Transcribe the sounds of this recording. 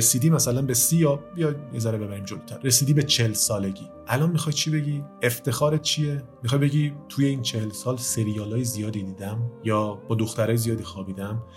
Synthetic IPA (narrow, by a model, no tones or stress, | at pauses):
esiːd̪iːmæsælænbesijɒbijɒjjezæɾebe̞bæɾiːmd͡ʒolo̥t̪ʰæɾːe̞siːd̪iːbe̞t͡ʃʰelsɒːle̞ɟiːʔælɒːnmixɒːjt͡ʃʰibe̞ɟiːeft̪ʰe̞xɒːɾet̪̚t͡ʃʰijemixɒːjbe̞ɟiːt̪ʰuje̞iːnt͡ʃʰe̞helsɒːlse̞ɾijɒːlɒːjezijɒːd̪iːd̪iːd̪æmjɒːbɒːd̪oxt̪æɾɒːjezijɒːd̪iːxɒːbiːd̪æm